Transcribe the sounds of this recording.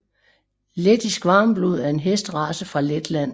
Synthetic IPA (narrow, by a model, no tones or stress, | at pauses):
led̥isɡ̥ʋɑ̈ːmb̥luð̰ˠæɐe̝nɦesd̥ʁɑ̈səfʁɑ̈led̥læn̰